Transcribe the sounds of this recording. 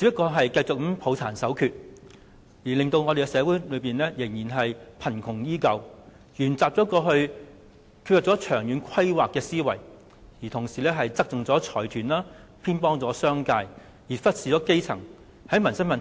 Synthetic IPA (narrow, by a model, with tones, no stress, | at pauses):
t͡siː˨˥pːɐ˥kːɔː˧ɦɐ˨jkɐ˧jt͡sʊ˨k̩̚˥pʰo˨˧wt͡sʰaː˨˩nsɐ˨˥wkʰyː˧t̚ | jiː˨˩lɪ˨ŋt̪o˧wŋɔː˨˧e˨˧kɛ˧sɛː˨˧wuː˨˥jlɵ˨˧ɥpiː˨nlɛː˥jɪ˨˩ŋjiː˨˩nɦɐ˨jpʰɐ˨˩nkʰʊ˨˩ŋjiː˥kɐ˧w | jyː˨˩nt͡saː˨p̚t͡sɔː˨˥kɔː˧ɦɵ˧ɥ | kʰy˧jɐ˨˩t͡sɔː˨˥t͡ʃʰœː˨˩ŋjyː˨˥nkʰɐ˥jwaː˨kːɛː˧siː˥wɐ˨˩j | jiː˨˩t̪ʰʊ˨˩ŋsiː˨˩lɛː˥ɦɐ˨jt͡sɐ˥k̚t͡sʊ˨ŋt͡sɔː˨˥t͡ʃʰɔː˨˩jt̪ʰyː˨˩nlaː˥ | pʰiː˥npɔː˥ŋt͡sɔː˨˥sœː˥ŋkaː˧j | jiː˨˩fɐ˥t̚siː˨t͡sɔː˨˥ke˥jt͡sʰɐ̰˨˩ŋ | hɐ˨˥jmɐ˨nsɐ˥ŋmɐ˨n